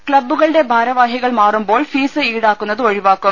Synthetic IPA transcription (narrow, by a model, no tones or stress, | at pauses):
kɭɐbːɯɣɐɭɨɽe̞bʱaːɾɐʋaːɦjɐɣɐɭmaːrumboːɭfiːsɨiːɽaːkːunːɐðɯoɻiʋaːkːum